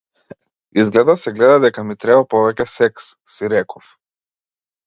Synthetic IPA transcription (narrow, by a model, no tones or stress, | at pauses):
izɡlɛd̪asɛɡlɛd̪ad̪ɛkamit̪ɾɛbapɔvɛcɛsɛkssiɾɛkʰɔf